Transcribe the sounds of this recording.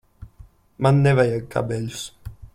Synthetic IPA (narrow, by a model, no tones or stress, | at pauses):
manːɛvajakːa̰bɛʎs